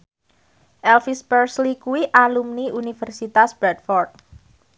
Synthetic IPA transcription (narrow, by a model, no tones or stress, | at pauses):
ʔɛlfispərslikuiʔalumniunifərsit̪asb̥ɾɛt̪fɔrt̪̚